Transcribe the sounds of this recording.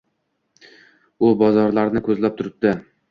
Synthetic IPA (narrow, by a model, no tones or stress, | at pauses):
ʊbɒzɒɾlaɾnɪkʰɵzlap̚t̪ʰʊɾɪp̚d̪ɪ